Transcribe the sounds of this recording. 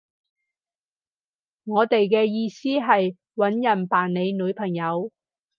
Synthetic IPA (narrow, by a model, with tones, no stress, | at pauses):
ŋɔː˨˧t̪e˨jkɛː˧jiː˧siː˥ɦɐ˨j | wɐ˨˥njɐ˨˩npaː˨˩nne˨˧jnɵː˨˧˥pʰɐ˨˩ŋjɐ˨˧w